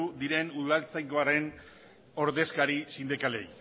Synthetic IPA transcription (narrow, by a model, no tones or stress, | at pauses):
ud̪iɾe̞nuðalt͡sajko̞aɾe̞n | o̞ɾðe̞skaɾisind̪ikale̞j